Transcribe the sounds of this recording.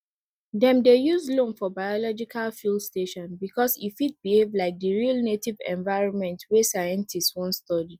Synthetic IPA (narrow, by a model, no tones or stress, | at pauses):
dɛ̃mdejuzlõnfɔbajɔlɔd͡ʒikʰalfilsteʃɔ̃nbikɔsifit̚bihevlaɪk̚dəɹilnetivɛ̰̃nvaɪɹɔ̃nmɛ̃ntwesajɛ̃ntʰistwɔ̃nstɔdi